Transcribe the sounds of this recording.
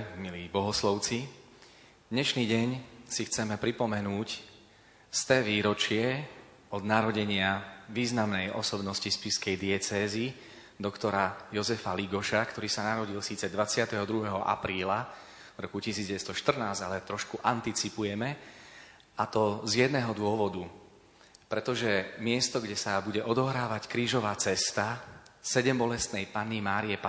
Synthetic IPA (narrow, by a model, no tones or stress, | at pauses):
miliːbɔɦɔslɔʊt͡si | d̪ɲɛʃniːɟɛɲsixt͡sɛmɛpɾipɔmɛnuːc | st̪ɛːʋiːɾɔt͡ʃɪɛ | ɔd̪naɾɔɟɛɲɪaʋiːznamnɛjʔɔ̰sɔbnɔscispiskɛjd̪iɛt͡sɛːzi | d̪ɔkt̪ɔɾajɔzɛfaliɡɔʃakt̪ɔɾiːsanaɾɔɟilsiːt͡sɛd̪ʋat͡sɪat̪ɛɦɔd̪ɾuɦɛɦɔʔa̰pɾiːla | vɾɔkucisiːd͡zɟɛst̪ɔʃt̪r̩naːzalɛt̪ɾɔʃkuʔant̪it͡sipujɛmɛ | ʔat̪ɔzjɛd̪nɛɦɔd̪ʊɔʋɔd̪u | pɾɛt̪ɔʒɛmɪɛst̪ɔɡɟɛsabuɟɛʔɔd̪ɔɦɾaːʋackɾiːʒɔʋaːt͡sɛst̪asɛɟɛmbɔlɛst̪nɛjpanimaːɾiɛpa